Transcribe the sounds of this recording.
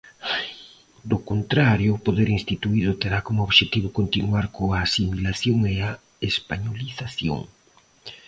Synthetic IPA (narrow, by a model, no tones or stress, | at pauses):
d̪okont̪ɾaɾjoːpoðeɾinst̪it̪uiðʊt̪eɾakomʊoβʃet̪iβʊkont̪inuaɾkoaːsimilaθjoŋea | espaɲoliθaθjo̰ŋ